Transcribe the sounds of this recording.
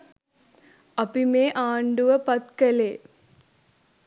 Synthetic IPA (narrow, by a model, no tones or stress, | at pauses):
ɐpimeːʔaːɳɖuʋɐpɐt̪kɐleː